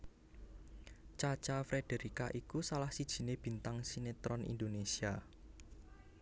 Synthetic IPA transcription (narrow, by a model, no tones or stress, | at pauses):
t͡ʃat͡ʃafɾed̥e̤ɾikaʔikusalahsid̥ʒ̥i̤neb̥i̤nt̪aŋsinet̪ɾɔnḭnd̪onesia